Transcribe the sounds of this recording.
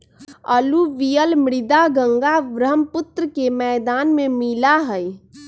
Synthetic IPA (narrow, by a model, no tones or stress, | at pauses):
əluʋijəlmɽɪd̪aɡə̃ŋɡaʋɾəmpʊt̪ɾəkemɛːd̪aːnmẽmilaɦəj